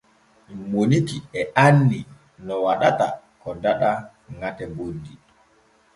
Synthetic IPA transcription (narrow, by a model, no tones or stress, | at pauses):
monikiɛanːi | nɔwaɗata̰ | kɔdaɗa | ŋatɛbodːi